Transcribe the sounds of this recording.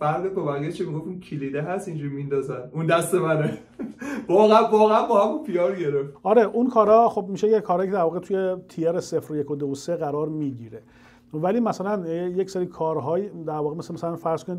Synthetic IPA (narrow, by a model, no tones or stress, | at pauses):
fæɾd̪ebebæɾɡeʃkʰemiɡoft̪imcʰilid̪eɦæst̪ind͡ʒuɾimind̪ɒːzænund̪æst̪emæne | vɒːɣæævɒːɣææmbɒːhæmunpʰijɒːɾɡeɾeft̪ɒɾeʔunkʰɒːɾɒxob̚miːʃejekʰɒːɾhɒːjied̪æɾvɒːɣet̪ʰujet̪ʰijeɾesefɾojekʰod̪ooseɣæɾɒːɾmiːɟiːɾe | væliːmæsælænjecseɾiːkʰɒːɾɦɒːjid̪æɾvɒːɣemæsmæsælænfæɾz̥kʰoni